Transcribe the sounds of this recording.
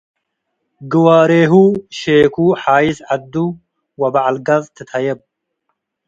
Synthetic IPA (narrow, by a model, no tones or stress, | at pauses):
ɡɨwaːɾeːɦuʃeːkʰuːħaːjisad̪ːu | wɐbaʕalɡɐzt̪ʰɨt̪ʰɐjeb̚